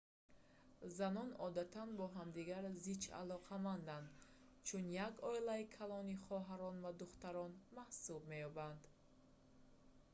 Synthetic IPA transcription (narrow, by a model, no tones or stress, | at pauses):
zanɔnɔd̪at̪ʰanbɔɦamd̪iɡaɾzit͡ʃa̰lɔqʰamand̪and̪ | t͡ʃʰunjaɡɔilaikʰalɔniχɔɦaɾɔnvad̪uχt̪aɾɔnmahsub̚me̞jɔband̪